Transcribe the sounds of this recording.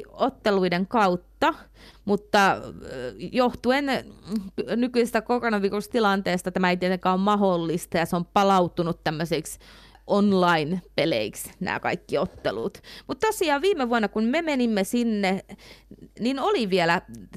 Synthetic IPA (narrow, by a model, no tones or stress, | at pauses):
ot̪ːeluideŋkɑut̪ːɑ | mut̪ːɑ | joht̪uen | nykyisest̪ækoronɑʋiːrust̪ilɑnt̪eːst̪ɑt̪æmæeit̪iet̪eŋkæːommɑholːist̪ɑjɑseompɑlɑut̪unut̪tæmːøseiks | ʔonlɑinpelḛiksnæ̰ːkɑ̰ikːiot̪ːḛlṵːt̪mut̪t̪osiɑːʋʋiːmeʋuɑnːɑkunmemenimːesinːe | ninoliʋielæ